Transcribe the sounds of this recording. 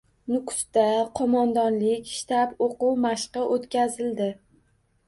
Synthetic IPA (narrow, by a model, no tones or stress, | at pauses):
nʊkʰʊ̥st̪aqʰɒmɒnd̪ɒnlɪkʲʃt̪apoqʊwmaʃqɨʔot̪kʲazɪld̪ɪ